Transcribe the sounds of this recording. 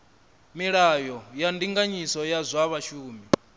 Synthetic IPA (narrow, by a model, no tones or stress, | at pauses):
miɺajɔjandiŋɡaɲisɔjazʷaβaʃuːmi